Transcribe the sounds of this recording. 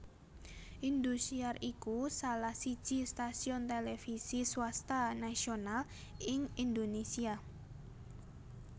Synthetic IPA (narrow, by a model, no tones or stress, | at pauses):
ʔind̪usiarikusalahsid̥ʒ̥i̤st̪asiɔnt̪elefisiswast̪anasional | ʔɪŋind̪onesia